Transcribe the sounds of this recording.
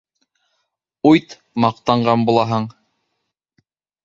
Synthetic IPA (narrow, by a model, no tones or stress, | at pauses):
ujt̪ | mɑq̚t̪ɑɴɢɑnbulˠɑɦɤɴ